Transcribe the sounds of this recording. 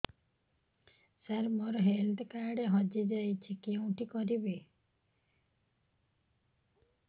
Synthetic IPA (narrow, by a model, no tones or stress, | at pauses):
saɾmoɾɦeld̪kaɾɖeɦɔd͡ʒed͡ʒajt͡ʃʰikiũʈikɔɾibe